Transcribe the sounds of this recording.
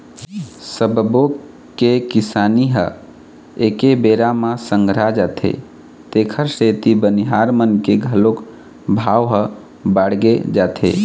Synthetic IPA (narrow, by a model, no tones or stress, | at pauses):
səbbo | kekisaniɦə̰ | ekebeɾamãsə̃ŋɡʱɾad͡ʒaːt̪ʰḛ | t̪ekʰəɾset̪ibəniɦaɾmənkeɡʱəlok | bʱaʋɦə | baɽɡed͡ʒat̪ʰḛ